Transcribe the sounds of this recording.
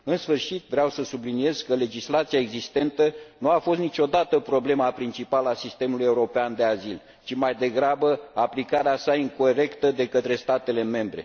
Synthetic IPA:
ɨnsfɨrʃit̪vɾeawsəsublinije̞z̥kəle̞d͡ʒislat̪siaeɡzist̪e̞nt̪ənuafo̞st̪nit͡ʃo̞d̪at̪əpɾo̞ble̞mapɾint͡ʃipalasist̪e̞muluje̞uɾo̞peand̪e̞azil | t͡ʃimajd̪e̞ɡɾabəaplikaɾeasaiŋko̞ɾe̞kt̪əd̪e̞kət̪ɾe̞st̪at̪e̞le̞me̞mbɾe̞̰

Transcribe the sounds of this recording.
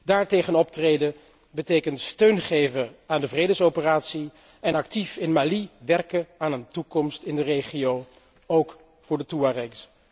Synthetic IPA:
daːɹtejχənɔp̚trejdə | bətejkəntstøɥnχejvəaːndəvrejdəsowpəraːtsi | ɛnɑk̚tifɪnmaːliʋɛrkəaːnəntukɔmstɪndərejχiow | owk | fʊːɹdətuarɛks

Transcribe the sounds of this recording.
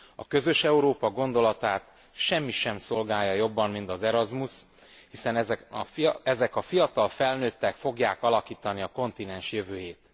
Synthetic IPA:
ɒkø̞zø̞ʃɛuɾoːpɒɡo̞nd̪o̞lɒt̪aːt̪ | ʃɛmːiʃɛmso̞lɡaːjːɒjo̞bːɒmmint̪ɒzɛɾɒzmus | hisɛnɛɛ | ɛzɛkɒfijɒt̪ɒlfɛlnøːt̪ːɛkfo̞ɡjaːkɒlɒkiːt̪ɒniɒko̞nt̪inɛnʃjøvøːjeːt̪

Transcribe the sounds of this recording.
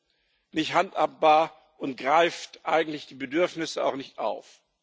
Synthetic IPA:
nɪçthantaːp̚b̥aːɐ | ʔʊntɡ̥ʁaɪftʔaɪɡŋ̩tlɪçd̥iːbədʏɐfnɪsəa̰ʊxnɪçtʔa̰ʊf

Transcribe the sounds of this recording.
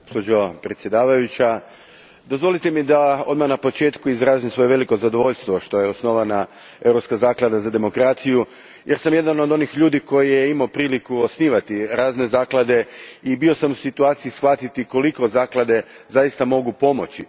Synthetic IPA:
ospod͡ʑopɾe̞t̪sʲje̞d̪aːʋajut͡ɕa | d̪o̞zʋo̞lit̪emid̪ao̞d̪maxnapo̞t͡ʃe̞ːt̪kuizɾaːzimsʋo̞je̞ʋe̞liko̞zad̪o̞ʋo̞ʎst̪ʋo̞ʃt̪o̞jeosno̞ʋana | e̞wɾopskazaːklˠad̪azad̪e̞mo̞kɾaːt̪siju | jeɾsamje̞d̪ano̞d̪o̞nixʎuːd̪iko̞jijeimaopɾiːlikuo̞sniːʋat̪iɾaːzne̞zaːklˠad̪e̞ibio̞samusit̪uaːt̪siisxʋat̪it̪iko̞liko̞zaːklˠad̪e̞zajist̪amo̞ɡupo̞mo̞t͡ɕi

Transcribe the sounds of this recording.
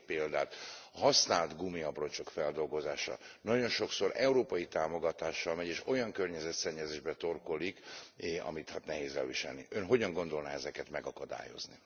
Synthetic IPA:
peːld̪aːt̪ɦɒsnaːlt̪ɡumiɒbroɲt͡ʃo̞kfɛld̪o̞lɡo̞zaːʃɒ̰nɒɟo̞nʃo̞kso̞ɾɛuɾoːpɒjit̪aːmo̞ɡɒt̪aːʃːɒlmɛɟeːʃo̞jɒŋkørɲɛzɛt̪sɛɲːɛzeːʒbɛt̪o̞rko̞likɒ̰mit̪haːt̪nɛɦeːzɛ̰lviʃɛ̰lnḭønɦo̞ɟɒŋɡo̞nd̪o̞lnaɛzɛkɛt̪mɛɡɒkɒd̪a̰ːjo̞̰zni

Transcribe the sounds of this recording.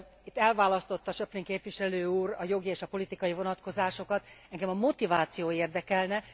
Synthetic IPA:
it̪ːɛlvaːlɒst̪o̞t̪ːɒʃøpleŋkeːpʋiʃɛløːuːrɒjo̞ɡieːʃɒpo̞lit̪ikɒjivo̞nɒt̪ko̞zaːʃo̞kɒt̪ɛŋɡɛmɒmo̞t̪ivaːt̪sijoːeːrd̪ɛkɛlnɛ

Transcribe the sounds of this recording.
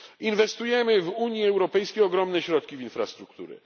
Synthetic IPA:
invɛst̪ujɛmɘvuɲjiɛwɾɔpɛjskʲejɔɡɾɔmnɛɕɾɔt̪̚kʲivinfɾast̪ɾukt̪ṵɾɛ̰

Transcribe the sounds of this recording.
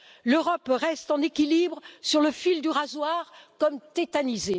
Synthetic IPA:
løʁɔpʁɛst̪ɑ̃nekʲilibʁsyʁləfild̪yʁazwaʁkɔmt̪et̪anize

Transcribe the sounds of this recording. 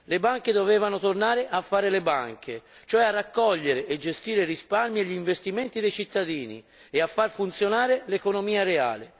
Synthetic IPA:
lebaŋk̟ed̪oveːvanot̪ornaːɾeʔafːaːɾelebaŋk̟ʰet͡ʃoɛarːakːɔʎːeɾeʔed͡ʒːest̪iːɾerisparmieʎːiɱvest̪iment̪id̪ejt͡ʃit̪ːad̪iːnḭ | eafːarfunt̪sjonaːɾelekonomiːaɾea̰ːle

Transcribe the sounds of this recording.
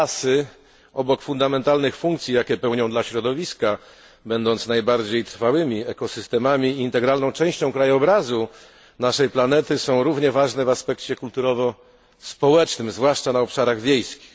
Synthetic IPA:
asɘ | ɔbɔkfund̪amɛnt̪alnɘxfuŋkt̪sʲjijakʲɛpɛwɲɔ̃d̪laɕɾɔd̪ɔvʲiska | bɛnd̪ɔnt̪snajbaɾd͡ʑejt̪ɾfawɘmʲiɛkɔsɨst̪ɛmamʲiːnt̪ɛɡɾalnɔ̃w̃t͡ʂɛ̃w̃ɕt͡ɕɔ̃w̃kɾajɔbɾazu | naʂɛjplanɛt̪ɘsɔ̃w̃ɾuvɲɛvaʐnɛvaspɛkt͡ɕɛkult̪uɾɔvɔ | spɔwɛt͡ʂnɘmzvwaʂt͡ʂanaɔpʂaɾaɣvʲjejskʲi̥x

